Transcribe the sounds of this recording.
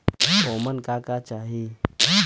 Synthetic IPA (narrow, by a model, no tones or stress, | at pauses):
oːmənkakat͡ʃaːɦi